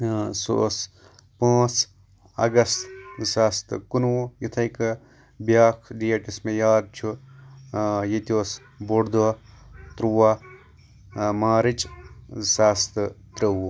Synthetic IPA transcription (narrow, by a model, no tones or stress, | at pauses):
so̰s | pãːt͡s | ɐ̰ɡɐst̪saːst̪ɨkunwojit̪ʰɐjk | bjaːkʰɖijeʈismẽjaːd̪̚t͡ʃʰu | jet̪ʲoːs | boɽd̪uat̪ɾuʋaː | maːɾit͡ʃsaːst̪ɨt̪ɾəwo